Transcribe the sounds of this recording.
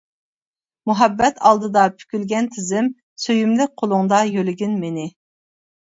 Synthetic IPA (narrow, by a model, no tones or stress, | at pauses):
muɦɛbːɛt̪ʰɑlˠd̪ɨd̪ɑpʰy̥kʲylɡʲɛnt̪ʰɪzɪm | søjymlɪk̚ʲqʰolˠʊŋd̪ɑjølɪɡʲinmenɪ